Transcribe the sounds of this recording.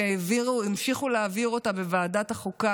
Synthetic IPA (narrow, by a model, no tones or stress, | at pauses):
iviʁuimʃiχuleaviʁo̞tabevaːdataχuka